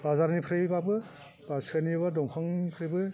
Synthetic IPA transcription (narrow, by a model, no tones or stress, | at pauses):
bazaɾnipʰɾebabɯ | b̥asanibadɔŋkʰɔŋipʰɾebɯ